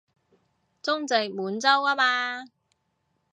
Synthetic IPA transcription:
t͡sʊ˥ŋt͡se˨˩j̚muː˨˥nt͡sɐ˥waː˥maː˧

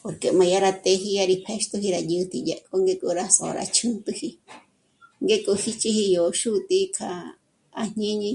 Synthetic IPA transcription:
po˨ɾke˨mã˨ja˧ɾa˧t̪e˧˦ɦi˧ja˧ɾi˧pʰe˦ʃt̪u˦ɦi˧ɾa˧jɨ˧t̪ʰi˧ja˧˨kʼo˦ŋɡe˦˧kʼu˧ɾa˦so̰˨˧ɾʔa̰˧t͡ʃʰũ˦nt̪ɨ˧hi˧ | ŋɡe˦kʼo˧hi˦t͡ʃi˦hi˧jo˨ʃu˦t̪ʼi˧kʰa˧˨ | a˧ɲ̥ɲẽ˦ɲĩ˧

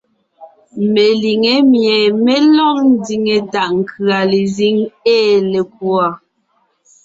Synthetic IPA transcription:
me˨li˨ŋe˨˦mjɛ˨me˦lɔ˦ŋn̩˦di˨ŋe˨da˨ʔŋ̩˨kʰɰa˨le˨zi˦ŋeː˦˨le˨k̚u˦a˨

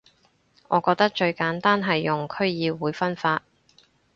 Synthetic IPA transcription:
ŋɔː˨˧kɔː˧k̚t̪ɐ˥k̚t͡ʃɵ˧ɥkaː˨˥nt̪aː˥nɦɐ˨jːʊ˨˩ŋkʰɵ˥ɥjiː˨˧wuː˨˧˥jfɐ˥nfaː˧t̚

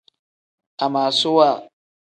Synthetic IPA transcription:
a˨maː˨su˦wa˦˨

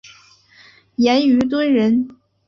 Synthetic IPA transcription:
jɛ˧˥ny˧˥t̪̬wə˥nɻə˧˥n

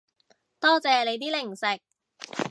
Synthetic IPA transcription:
t̪ɔː˥t͡sɛː˨˧le˨˧jt̪iː˥lɪ˨˩ŋsɪ˨˩k̚

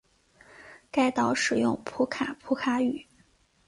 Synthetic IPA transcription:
ka˥˩ɪt̪ɑ˨˩ʊʂɻ̩˨˩jʊ˥˧ŋpʰu˧˥kʰa˨˩pʰu˧˥kʰa˧˥y˨˩˦

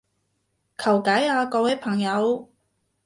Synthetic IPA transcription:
kʰɐ˨˩wkaː˨˥jaː˧kɔː˧wɛː˨˥pʰɐ˨˩ŋjɐ˨˧w

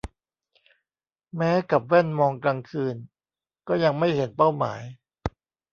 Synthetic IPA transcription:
mɛː˦˥ka˨˩p̚wɛ˥˩nmɔː˧ŋkɾaː˧ŋkʰɯː˧n | kɔː˥˩ja˧ŋma˥˩jhe˩˦npa˥˩wma̰ː˩˦j

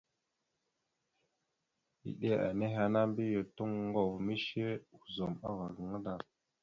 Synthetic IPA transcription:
ḭ˨ɗe˦a̰˨ne˦ɦa˨na˦mbi˦je˨tu˦ŋ˦ŋɡo˨vmi˦ʃe˦u˨zo˨ma̰˦va˨ɡə˨ŋa˦da˨

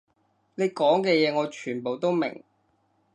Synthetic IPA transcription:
ne˨˧jkɔː˨˥ŋkɛː˧jɛː˨˧ŋɔː˨˧t͡ʃʰyː˨˩npo˨wt̪o˥wmɪ̰˨˩ŋ

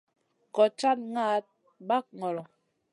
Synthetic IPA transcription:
kɔ˨t͡ʃa˦t̚ŋa˦t̚ | ba˦k̚ŋɔ˨lɔ˨

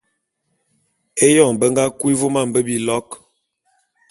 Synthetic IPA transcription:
e˦jɔ˦˨ŋbə˦ŋ˦ɡa˦kwi˦vo˦ma˦˨m̩˨bə˦bi˨lɔ˦k

